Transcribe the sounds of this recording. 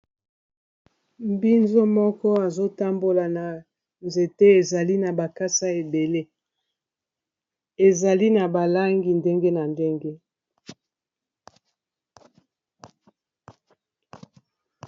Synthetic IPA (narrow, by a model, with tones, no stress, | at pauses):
m˦bi˦nzo˦mɔ˦kɔ˦a˨zo˦ta˦mbo˨la˨na˨ | nze˨te˦e˨za˨li˦na˨ba˨ka˦sa˦e˨be˨le˦ | e˨za˨li˦na˨ba˨la˦ŋɡi˨nde˦ŋɡe˦na˨nde˦ŋɡe˦